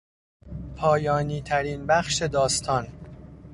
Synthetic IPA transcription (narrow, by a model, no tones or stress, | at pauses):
pʰɒːjɒːniːt̪ʰæɾiːnbæxʃe̞d̪ɒːst̪ʰɒːn